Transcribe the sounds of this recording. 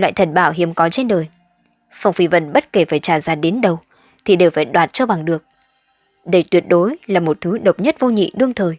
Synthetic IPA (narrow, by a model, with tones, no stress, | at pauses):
lwa̰ː˧˨jt̪ʰə˨˩n̚ɓaː˧˩wɦi˨˦əmkɔ˨˦t͡ɕe˧nɗəː˨˩j | fa˨˧˩wŋ͡mfi˨˦və̰˧˨nɓə˦˥t̚ke˧˩faː˧˩jt͡ɕaː˧˩zaː˧˩ɗe˨˦nɗə˨˩w | t̪ʰi˨˩ɗe˨˩wfaː˧˩jɗwaː˨˩t̚t͡ɕɔ˧ɓa˨˩ŋɗɨ˨˩ək̚ | ɗə˧˩t̪wi˨˩ət̚ɗo˨˦jlaː˨˩mo˨˩t̚t̪ʰɨ˨˦ɗə˨˩wk͡p̚ɲə˦˥t̚vo˧ɲḭ˧˨ɗɨ˧əŋt̪ʰəː˨˩j